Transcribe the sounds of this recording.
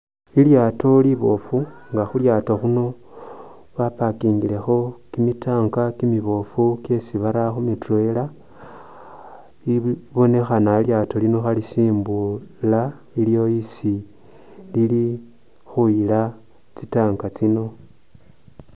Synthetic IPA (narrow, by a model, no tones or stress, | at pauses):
iljaːto̞liβo̞fuŋɡaxuljaːtoxuno̞ | βapakiːŋɡile̞xo̞kimitaːŋkakimiβo̞fuke̞siβaɾaxumite̞la | iβo̞ne̞xanailjato̞lino̞xalisiːmbula | iljo̞isi | lili | xuila | t͡sitaːŋɡat͡sino̞